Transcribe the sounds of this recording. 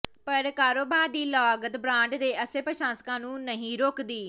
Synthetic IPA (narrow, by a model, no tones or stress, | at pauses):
pəɾkaːɾoːbaːɾd̪iːlɔːɡət̪bɾãːɳɖd̪eːʔəseːpɾəʃãːsə̥kãːnũːnəɦĩːɾoːkd̪iː